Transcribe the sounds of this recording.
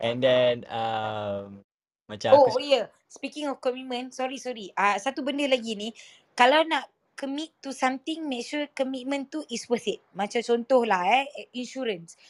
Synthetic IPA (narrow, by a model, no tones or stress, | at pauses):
ʔɛ̃ndɛnam | mat͡ʃaojə | spikɪ̃ŋɔfkɔmit̚mə̃nsɔɾisɔɾiasat̪ubəndəlaɡinĩ | kalawnaʔ | kəmit̪ːusamt̪ɪ̃ŋmɛ̃kʃukəmit̚mə̃nt̪uʔiswəsit̪̚mãt͡ʃamt͡ʃɔnt̪ohlahɛinʃuɾəns